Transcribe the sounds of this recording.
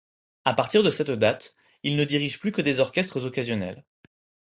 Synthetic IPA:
apaʁt̪iʁd̪əsɛt̪d̪at̪ | ilnəd̪iʁiʒplykəd̪ezɔʁkʲɛst̪χəzɔkazjɔnɛ̰l

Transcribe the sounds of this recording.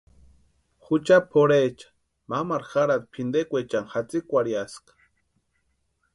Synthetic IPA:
xut͡ʃapʰoɾet͡ʃḁ | mamaɾxaɾad̪̚pʰind̪ekʷet͡ʃanxat͡sikʷaɾjaskḁ

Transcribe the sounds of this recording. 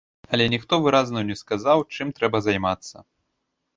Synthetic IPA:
ɐlʲɛnʲixt̪ɔvɨɾaznɐwnʲɛskazawt͡ʂɨmt̪ɾɛbɐzajmat̪sːɐ̰

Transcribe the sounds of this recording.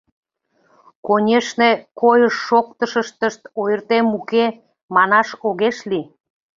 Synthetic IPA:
konʲeʃnekojəʃːok̚t̪əʃəʃt̪əʃt̪ojərt̪emuke | mɑnɑʃoɣeʃli

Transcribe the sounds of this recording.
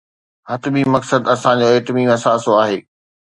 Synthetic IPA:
ɦɐt̪bimɐksəd̪ɐsãd͡ʑoːeːt̪ɪmiːmɐsaːsoaːɦeː

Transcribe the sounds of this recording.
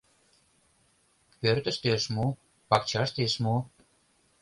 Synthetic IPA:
pørt̪ə̆ʃt̪eʃmu | pɑkt͡ɕɑʃt̪eʃmu

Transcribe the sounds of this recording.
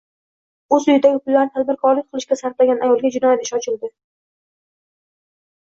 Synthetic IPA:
ɵzʊjɪd̪aɡʲɪpʊlːaɾnɪt̪ʰal̚bɪɾkʰɒɾlɪk̚ʲqʰɨlˠɪʃkʲasaɾt̪laɡʲanajɒlˠɡʲad͡ʒɪnɒjat̪ɪ̥ʃɒt͡ʃʰɪlˠd̪ɪ

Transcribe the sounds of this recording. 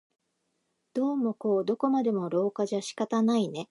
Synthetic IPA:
d̪̥o̞ːmo̞ko̞ːd̪o̞ko̞mad̪e̞mo̞ɾo̞ːkaʑaɕi̥kat̪anaine̞

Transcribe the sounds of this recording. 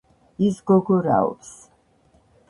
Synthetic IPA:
isɡɔɡɔɾa̰ɔ̰ps

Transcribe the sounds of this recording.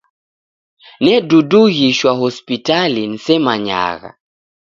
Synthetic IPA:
nɛduduɣiʃwaɦɔspitalin̩sɛmaɲa̰ɣa̰

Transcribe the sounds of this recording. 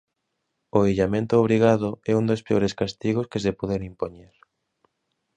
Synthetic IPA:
oiʎamẽnt̪ʊːβɾiɣaðʊɛund̪ospeoɾeskast̪iɣoskes̬epoðenimpoɲeɾ

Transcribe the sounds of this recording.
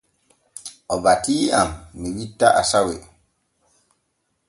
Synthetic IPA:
ɔbatiamːiwitːaʔasawe

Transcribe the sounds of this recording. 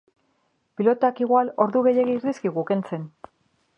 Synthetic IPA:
pilo̞t̪oakiɣwalo̞ɾðuɣe̞jeɣiiɾðiskiɣuke̞nt͡se̞n

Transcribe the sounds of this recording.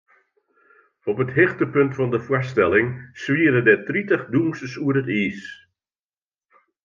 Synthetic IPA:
ɔpətɦɪxtəpøntfɔndəfwastɛlɪŋsʋiərdədɛtritəχdumsəsuərətiːs

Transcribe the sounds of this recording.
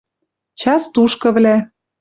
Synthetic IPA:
t͡ɕɑst̪uʃkɤ̆βlæ

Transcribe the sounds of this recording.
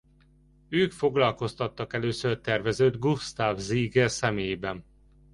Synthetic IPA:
øːkfo̞ɡlɒlko̞st̪ɒt̪ːɒkɛløːsørt̪ɛrvɛzøːd̪ɡust̪aːvziːɡɛrsɛmeːjbɛn

